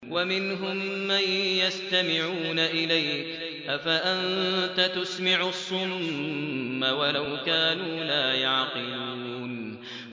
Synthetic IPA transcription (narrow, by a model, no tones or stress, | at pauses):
wamɪnɦʊmːanjast̪amɪʕuːnaʔɪlajk | ʔafaʔant̪at̪ʊsmɪʕsˤːʊmː | awalawkaːnuːlaːjɑʕqɨluuːn